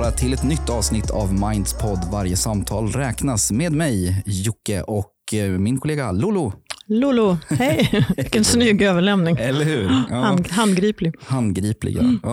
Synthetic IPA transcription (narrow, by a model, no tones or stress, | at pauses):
ɾat̪ʰɪlɛt̪nʏt̪ʰːɑːvsnɪt̪ʰːa̰vmaɪnd̪spʰɔd̪ːvaɾjəsamt̪ʰɑːlɾɛːknasmeːd̪mɛjjʊkːəʔɔkmɪnkʰʊleːɡalʊlʊlʊlʊhɛjɪkːɛnsnʏɡøːvəɭɛmnɪŋɛlːəhʉːɦand̪ɡɾiːplɪɡhand̪ɡɾiːplɪ̰ɡ